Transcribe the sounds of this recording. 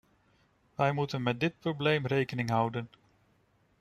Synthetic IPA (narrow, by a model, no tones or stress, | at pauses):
ʋɛjmutənmɛt̚dɪt̚prowblejmrejkənɪŋɦʌwdən